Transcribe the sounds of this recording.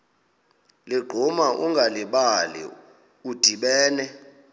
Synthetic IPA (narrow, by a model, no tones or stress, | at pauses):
liɡ͡ǃʱumaʔuŋɡʱaliɓalḭ | ud̥ʱiɓɛːnɛ